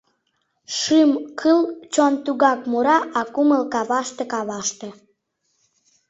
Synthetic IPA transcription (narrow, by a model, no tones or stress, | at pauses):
ʃɨmkʰɨlt͡ɕont̪uɣɑkmuɾɑʔɑkuməlkɑβɑʃt̪ekɑβɑʃt̪e